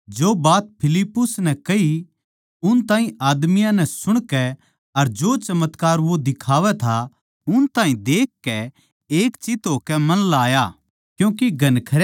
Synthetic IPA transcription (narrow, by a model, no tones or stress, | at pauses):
d͡ʒoːbaːt̪̚pʰɪlɪpːʊsnɛkɐɦi | ʊnt̪ãːɦĩaːd̪mɪijãnɛ̃sʊɽ̃kɛ | ɐɾd͡ʒoːt͡ʃɐmət̪kaːɾʋod̪ɪkʰaːʋɛt̪ʰa | ʊnt̪ãːɦĩd̪eːkːɛ | eːkt͡ʃɪt̪ɦoːkɛmɐnlaːjaː | kjũːkiɡɐnkʰɐɾa